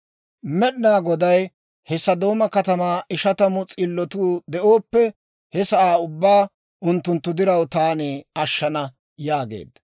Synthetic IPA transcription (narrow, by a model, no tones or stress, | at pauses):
mɛɗnaːɡɔd̪ɐj | hɛsɐd̪o̞ːmɐkɐt̪ɐmaːʔɪʃɐt̪ɐmʊt͡sʼɪlːɔt̪uːd̪ɛʔo̞ːpːɛ | hɛsɐʔaːʊbːaː | ʔʊnt̪ːʊnt̪ːʊd̪ɪɾɐwt̪aːnɪɐʃːɐnɐ | jaːɡḛːd̪ɐ